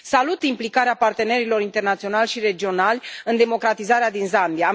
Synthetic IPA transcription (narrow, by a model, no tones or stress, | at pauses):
salut̪implikaɾeapart̪e̞ne̞ɾilo̞ɾint̪e̞rnat̪sio̞nalʲʃire̞d͡ʒio̞nalʲɨnd̪e̞mo̞kɾat̪izaɾead̪inzambia